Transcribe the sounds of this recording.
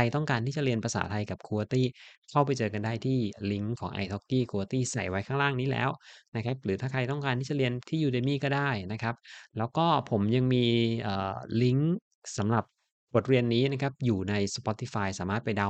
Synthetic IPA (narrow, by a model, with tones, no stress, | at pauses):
a˧jt̪ɔ˥˩ŋkaː˧nt̪ʰiː˥˩t͡ɕa˨˩ɾi˧ənpʰɾa˧sa̰ː˩˦t̪ʰa˧jka˨˩p̚kʰuː˧wa˧t̪iː˥˩kʰa˥˩wpa˧jt͡ɕɤː˧ka˧ndaː˥˩jt̪ʰiː˥˩li˦˥ŋkʰɔ̰ː˩˦ŋʔa̰˧jt̪ʰo˦˥kːiː˥˩kʰuː˧wa˧t̪iː˥˩sa˨˩jwa˦˥jkʰaː˥˩ŋɾaː˥˩ŋniː˦˥lɛ̰ː˦˥wna˦˥kʰa˦˥p̚ɾɯː˩˦t̪ʰaː˥˩kʰa˧jt̪ɔ˥˩ŋkaː˧nt̪ʰiː˥˩t͡ɕa˨˩ɾi˧ənt̪ʰiː˥˩juː˧de˧miː˥˩kɔː˥˩daː˥˩jna˦˥kʰa˦˥p̚lɛː˦˥wkɔː˥˩pʰo˩˦mja˧ŋmiː˧ʔəː˨˩li˦˥ŋ | sa˩˦mɾa˨˩p̚ | bo˨˩t̪̚ɾi˧ənːiː˦˥na˦˥kʰa˦˥p̚juː˨˩na˧jspɔ˦˥t̪i˧˥˩faː˧jsaː˩˦maː˥˩t̪̚pa˧jda˧˩